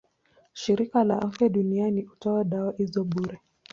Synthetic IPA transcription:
ʃiɾikala̰ʔafjaɗunianiutɔwaɗawahizɔɓuɾɛ

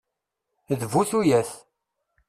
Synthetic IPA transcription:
ðvuθujæθ

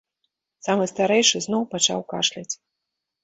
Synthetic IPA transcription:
samɨst̪aɾɛjʂɨznɔwpat͡ʂa̰wka̰ʂlʲat͡sʲ

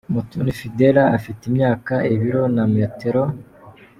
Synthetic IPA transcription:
mutunifideɾaafitimɲaːkaʔiβiɾo̞nameteɾo

